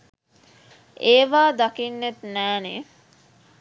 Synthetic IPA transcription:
eːʋaːd̪akinːet̪næːne

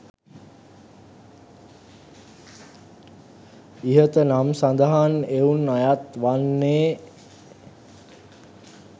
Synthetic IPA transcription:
iɦət̪ənamsand̪aɦaneunːajat̪ʋanːeː

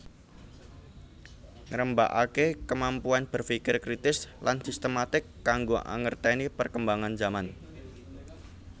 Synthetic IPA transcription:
ŋəɾəmba̰ʔakekəmampuanb̥ə̤rfikɪrkɾit̪ɪslansist̪əmat̪ɪkːaŋɡoʔa̰ŋərt̪ɛnipərkəmbaŋand͡ʒaman

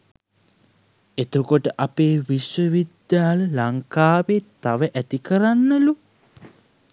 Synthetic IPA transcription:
et̪ukoʈəʔapeːʋiʃwəʋid̪jaːləlaŋkaːʋet̪aʋəʔæt̪ikəɾanːəlu

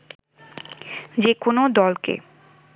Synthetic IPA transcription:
d͡ʑekonod̪ɔlkḛ

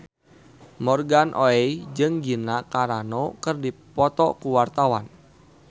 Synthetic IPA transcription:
mɔrɡanʔoɛd͡ʒɨŋɡinakaɾanɔkərdipɔt̪ɔkuwart̪awan

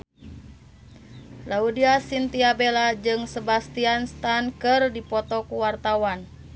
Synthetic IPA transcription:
laudiasint̪iabelad͡ʒɨŋsəbast̪ianst̪ankɨrdipɔt̪ɔkuwart̪awan

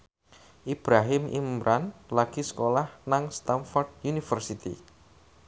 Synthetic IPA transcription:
ʔib̥ɾaɦɪmʔḭmɾʔanlaɡ̥isə̥kolahnaŋst̪anfɔrd̥̚junifərsit̪ḭ

